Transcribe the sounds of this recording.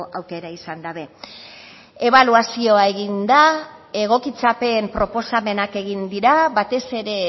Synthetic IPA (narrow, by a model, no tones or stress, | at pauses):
ʔawke̞ɾaisand̪aβe̞ | e̞βaluasio̞aeɣind̪ae̞ɣ̞o̞kit͡sape̞mpɾo̞po̞same̞nake̞ɣind̪iɾaβat̪e̞se̞ɾe̞